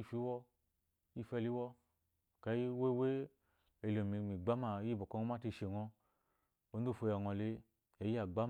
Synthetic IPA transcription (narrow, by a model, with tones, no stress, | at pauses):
i˦fi˦wɔ˦ | ji˦˨fɛ˧li˦wɔ˦ | ka˨ji˦we˦we˦ | e˧˨lo˨mi˧˨mi˨ɡ͡ba˦ma˧˨˦i˦bo˨kɔ˧ŋɔ˧ma˦ti˧˨ʃe˨ŋɔ˧ | o˨˦n˦du˦˨fo˧ja˨ŋɔ˨li˧ | a˨ji˦a˨ɡ͡ba˦